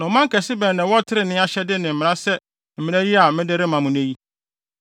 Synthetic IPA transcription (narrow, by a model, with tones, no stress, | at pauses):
nʊ̃˨˦mã˦ŋ̩˦kʰæ˨sɪ˦bɛ˨nã˨wɔ˦tʰɪ˦ɾɪ˨nɪ̃˦a˦ɕɛ˦dɪ˦nɪ̃˨m̩˨mɪ̃˨ã˦sɛ˦ | m̩˨mĩ˨næ̃˦ji˦a˨mɪ̃˦dɪ˦ɾɪ˦mã˨mʊ̃˨ne˦ji˦